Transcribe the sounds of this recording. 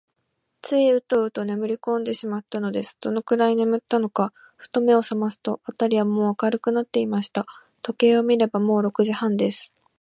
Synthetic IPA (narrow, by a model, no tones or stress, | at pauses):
t͡sɨiɯ̟t̪o̞ɯ̟t̪o̞ne̞mɯ̟ɾʲikõ̞nd̪e̞ɕimat̪ːano̞d̪e̞sɨ̥d̪̥o̞no̞kɯ̟ɾaine̞mɯ̟t̪ːano̞ka | ɸɯ̟̥t̪o̞me̞o̞samasɨ̥t̪o̞at̪aɾʲiβamo̞ːakaɾɯ̟kɯ̟nat̪ːe̞imaɕi̥t̪a | t̪o̞ke̞ːo̞mʲiɾe̞bamo̞ːɾo̞kɯ̟ʑihãnd̪e̞sɨ̥